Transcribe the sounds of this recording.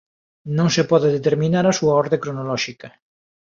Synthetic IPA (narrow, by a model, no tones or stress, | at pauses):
nõŋsepɔðeðet̪eɾmĩnaɾɐsuaɔɾðekɾonolɔʃikɐ